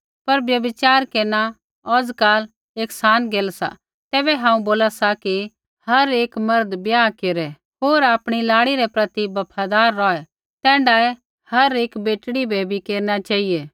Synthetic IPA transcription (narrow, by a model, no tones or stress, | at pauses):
pɐɾbjɐbɪt͡ʃaːɾkeːna | ɔːd͡zkaːl | eːksaːnɡeːlsa̰ | t̪ɛːbɛɦãːũboːlasaki | hɐɾeːkmɐɾd̪bjaːkeːɾɛ | ɦoːɾaːpɽ̃ilaːɽiɾɛpɾɐt̪ibɐpʰad̪aːɾːɔːɛ | t̪ɛ̃ːɳɖaɛ | hɐɾeːkbeːʈɽibʱeːbʱikeːɾnat͡ʃaːieː